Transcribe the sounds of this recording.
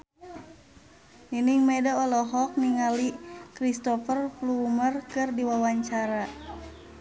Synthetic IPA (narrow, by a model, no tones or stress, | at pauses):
niniŋmɛdaɔlɔɦɔk̚niŋalikɾist̪ɔfərflumərkɨrdiwawaɲt͡ʃaɾa